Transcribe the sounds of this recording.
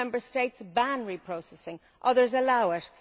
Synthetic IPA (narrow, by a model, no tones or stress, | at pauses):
ɛ̃mbə˞steɪtsbæ̃nɹipʰɹ̥oʊsɛsɪ̃ŋ | ʔʌðə˞zəlaʊɪt